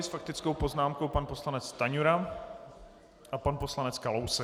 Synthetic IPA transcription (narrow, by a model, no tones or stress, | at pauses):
ɪsfak̚t̪ɪt͡skowpo̞znaːmkowpanpo̞slanɛt͡st̪aɲuɾa | ʔapanpo̞slanɛt͡skalowsɛ